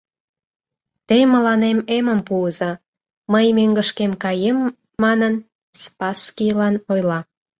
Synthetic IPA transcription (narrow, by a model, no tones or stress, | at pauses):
t̪ejmə̆lɑnememəmpuəzɑ | məjmøŋɡəʃkemkɑjemː | ɑnən | spɑskilɑnojlɑ